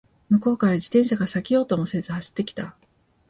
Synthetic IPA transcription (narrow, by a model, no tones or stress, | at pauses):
mɯ̟ko̞ːkaɾad͡ʑit̪ẽ̞ɰ̃ɕaɡasakʲio̞ːt̪omo̞se̞zɨhaɕi̥t̪ːe̞kʲi̥t̪a